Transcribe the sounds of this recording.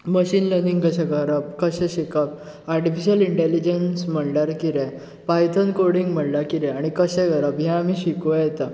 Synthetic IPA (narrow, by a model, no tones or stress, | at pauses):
məɕiːnləɾnĩŋɡkəɕɛ̃ɡəɾəb̚kəɕɛ̃ɕikəp̚ | aɾʈifiɕəliɳʈelid͡ʑənsm̤əɽlaɾkiɾɛ̃ | pajt̪ʰənkoɾɽiŋɡm̤əɽlaɾkiɾɛ̃aɽ̃ikəɕɛ̃kəɾəbɦɛ̃amiɕikujt̪ə